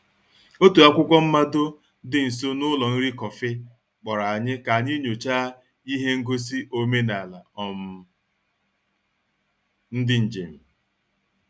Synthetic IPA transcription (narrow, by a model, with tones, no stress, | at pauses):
o˦tu˨a˦kʷʊ˦kʷɔ˦m̩˦ma˦do˦ | dɪ˦n̩˨s̬o˦nʊ˦lɔ˨n̩˦ɾi˦kɔ˨fɪ˦ | k͡pɔ˨ɾa˨a˨ɲɪ˦ka˨ɲɪ˦ɲo˨t͡ʃaː˦ | i˦ɦe˦ŋ̩˦ɡo˦s̬i˦ʔo˦me˦na˨la˨ɔ˨m˦˨ | n̩˦dɪ˦n̩˨d͡ʒe˨m̩˨